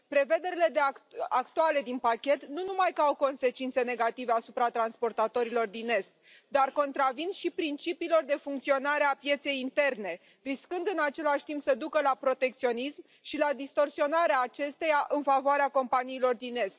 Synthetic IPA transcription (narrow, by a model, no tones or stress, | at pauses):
pɾe̞ve̞d̪e̞ɾile̞d̪eaakt̪uale̞d̪inpakʲe̞t̪nunumajkəawko̞nse̞t͡ʃint̪se̞ne̞ɡat̪ive̞asupɾat̪ɾanspo̞rt̪at̪o̞ɾilo̞rd̪inːe̞st̪̚ | d̪arko̞nt̪ɾavinʃipɾint͡ʃipiːlo̞rd̪e̞fuŋk̚t̪sio̞naɾeapje̞t̪se̞jint̪e̞rne̞ | riskɨnd̪ɨnat͡ʃe̞laʃʲt̪impsəd̪ukəlapɾo̞t̪e̞k̚t̪sio̞nism | ʃilad̪ist̪o̞rsio̞naɾeaːt͡ʃe̞st̪e̞jaʔɨnfavoaɾeako̞mpaniːlo̞rd̪ine̞st̪